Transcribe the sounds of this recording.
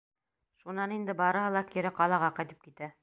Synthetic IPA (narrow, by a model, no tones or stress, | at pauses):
ʃunɑnind̪ɘbɑɾɤ̆hɤlˠɑkiɾɘqɑlˠɑʁɑqɑjt̪ɘ̥p̚kit̪æ